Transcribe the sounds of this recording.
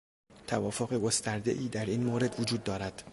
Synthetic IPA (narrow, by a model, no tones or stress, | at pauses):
t̪ʰævɒːfoɣe̞ɡo̞st̪æɾd̪e̞̰ʔiːd̪æɾiːnmoːɾe̞d̪vod͡ʒuːd̪̚ːɒːɾæd̪̥